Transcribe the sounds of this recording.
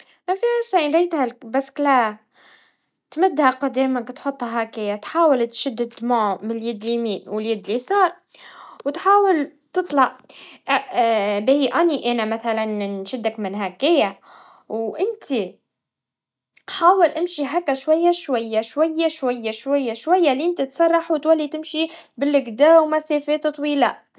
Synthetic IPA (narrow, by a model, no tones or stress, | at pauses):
mafihaʃaʕnɾˤiːt̪halbaskla | t̪mɪd̪ːhaqɑd̪iːmakt̪ħot̪ˤːhaɦakɪjat̪ħaːwɪlt̪ʃɪd̪ːɪd̪maʕmɪljɪd̪limiːwɪljɪd̪lisɑːɾˤ | wt̪ħaːwɪlt̪ɨt̪ˤlɑʔ | beiʔaniʔænamaθalanʃɪd̪ːakmɪnɦakɪja | wʔɪnt̪i | ħaːwɪlʔɪmʃiɦakːaʃwajːaʃwajːaʃwajːaʃwajːaʃwajːaʃwajːaliʔɪnt̪it̪sˤɑrˤːɑħwt̪walːit̪ɪmʃibɪlːɪɡd̪aːwmasefɛːt̪t̪ˤwiːla